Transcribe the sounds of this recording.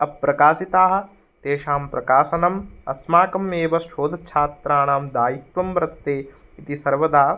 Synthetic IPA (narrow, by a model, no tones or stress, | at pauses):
ɐpːɾɐkaːsit̪aːɦɐ̆ | t̪eːʃaːmpɾɐkaːsɐnɐmɐsmaːkɐmeːʋɐsʃʰoːd̪ʱɐt͡ʃʰaːt̪ɾaːɳaːmd̪aːjit̪ʋɐmbɐɾɐt̪ɐ̥t̪eːit̪isɐɾʋɐd̪aː